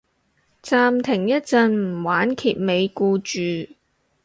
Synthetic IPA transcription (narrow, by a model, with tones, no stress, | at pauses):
t͡saː˧mt̪ʰɪ˨˩ŋjɐ˥t̚t͡sɐ˨˧nm̩˨˩waː˨˥nkʰiː˧p̚me˨˧jkuː˧t͡ʃyː˨˧